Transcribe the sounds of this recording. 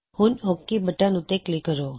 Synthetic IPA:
hũnokːibəʈanũt̪eklikəɾo

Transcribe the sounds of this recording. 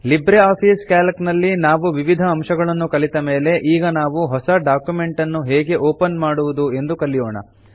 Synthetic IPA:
libɾeaːpʰiːskaːlɐknɐlːinaːʋuʋiʋid̪ʱɐːmʃɐɡɐɭɐnːukɐɭit̪ɐmeːle̞ʔiːɡɐnaːʋuɦɔsɐɖaːkjume̞ɳʈɐnːuɦeːɡe̞ʔoːpɐnmaːɽuʋud̪ue̞nd̪ukɐlːijɔːɳɐ̰

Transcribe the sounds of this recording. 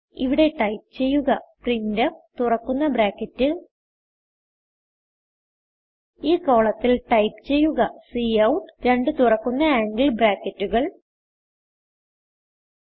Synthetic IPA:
iʋiɽe̞ʈɐjp̚t͡ɕe̞jːuɣɐprindɐt̪urɐkːunːɐbɾaːkːɐtːɨ | iːko̞ːɭɐt̪ːilʈɐjpt͡ɕe̞jːuɣɐsiːɐwuʈːɨɾe̞ɳɖɨt̪urɐkːunːɐaːŋɡilbɾaːkːɐtːuɣɐɭ

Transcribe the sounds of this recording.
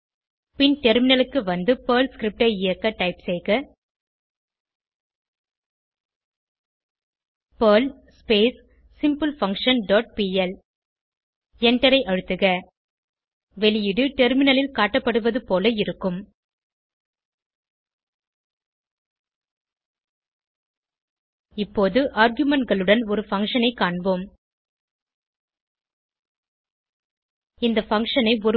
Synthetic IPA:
pɪnʈɛɾmɪnɐlɯkːɯʋɐnd̪ɯpɐːlskɾɪp̚ʈɐɪjɐkːɐʈɐɪpsɛjɣɐ | pɐːl | speːs | sɪmpɯlfɐŋkʂɐnɖoːʈ̚piːɛl | ɛɳʈɐɾɐɪʔɐɻɯt̪ːɯɣɐ | ʋɛlɪjɪɽɯʈɛɾmɪnɐlɪlkaːʈːɐpːɐɽɯʋɐðɯpoːlɐɪɾɯkːɯm | ɪpːoːðɯʔaːɾɡjɯmɛɳʈɡɐɭɯɽɐnɔɾɯfɐŋʂɐnɐɪkːaːɳboːm | ɪnd̪ɐfɐŋkʂɐnɐɪɔɾɯ

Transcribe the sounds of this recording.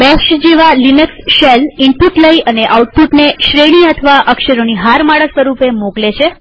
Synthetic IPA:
bɛkʃd͡ʒeʋalinəksʃeliɳpuʈləiəneʔauʈ̚puʈneʃɾeɽ̃iət̪ʰəʋaʔəkʃəɾoniɦaɾmaɽəsʋəɾupemoklet͡ʃʰe

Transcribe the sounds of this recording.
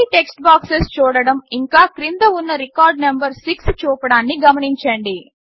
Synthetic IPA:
iʈeksʈbaːksest͡ʃuːɽɐɽɐmiŋkaːkɾind̪ɐunːɐɾikaːɾɖnɐmbɐɾsikst͡ʃuːpɐɽaːnːiɡɐmɐniɲt͡ʃɐɳɖi

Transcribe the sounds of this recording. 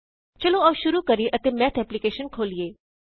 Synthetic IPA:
t͡ʃɐlõɔːʃʊɾukɐɾiʔət̪emɛːt̪ʰɛplikeːʃənkʰoːlieː

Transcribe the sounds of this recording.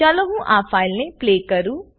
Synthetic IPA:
aloɦũʔafaːɪlnepleːkɐɾu

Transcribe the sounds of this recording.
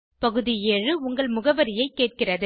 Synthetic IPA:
pɐɣɯðɪjeːrɯʊŋɡɐɭmʊɣɐʋɐɾɪjɐɪkːeːʈ̚kɪrɐðɯ

